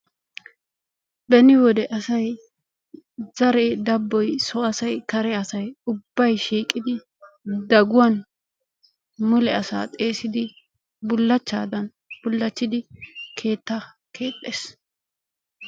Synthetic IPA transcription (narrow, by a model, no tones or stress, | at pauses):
bɛnɪwɔd̪ɛʔɐsɐj | z̥ɐɾɛd̪ɐbːɔjsɔɐsɐjkɐɾɛɐsɐjʊbːɐjʃiːkʼːɪd̪ɪ | d̪ɐɡʊwɐn | mʊlɛɐsa̰ːt̪ʼe̞ːsɪd̪ɪ | bʊlːɐt͡ʃːa̰ːd̪ɐn | b̥ʊlːɐt͡ʃːɪd̪ɪkʰe̞ːt̪ːɐ | kʰe̞ːt̪ʼːe̞ːs